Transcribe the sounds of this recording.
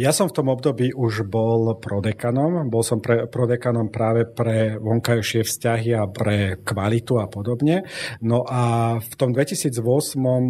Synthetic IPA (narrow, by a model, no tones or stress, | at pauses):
jasɔmft̪ɔmɔbd̪ɔbiːʔuʒbɔlpɾɔd̪ɛkanɔmbɔlsɔmpɾɛpɾɔd̪ɛkanɔmpɾaːʋɛpɾɛʋɔŋkajʃɪɛfscaɦiapɾɛkʋalit̪uapɔd̪ɔbɲɛnɔʔaft̪ɔmd̪ʋɛcisiːd͡zʋɔsmɔm